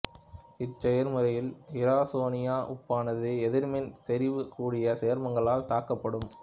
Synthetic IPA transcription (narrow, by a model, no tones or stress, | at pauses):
ɪt͡ʃːɛjɐɾmɯɾɐjɪlɪɾaːsoːnɪjaːʔʊpːaːnɐðɯɛðɪɾmɪnsɛɾɪʋɯkuːɽɪjɐseːɾmɐŋɡɐɭaːlt̪aːkːɐpːɐɽɯm